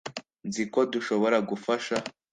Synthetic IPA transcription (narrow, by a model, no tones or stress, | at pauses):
nziko̞duʃo̞βo̞ɾaɡufaʃa